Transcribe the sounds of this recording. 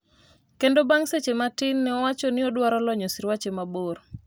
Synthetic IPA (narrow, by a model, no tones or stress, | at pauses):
kendobaŋset͡ʃematɪnːɛɔwat͡ʃɔnɪɔdwaɾɔlɔɲɔsiɾwat͡ʃemaboɾ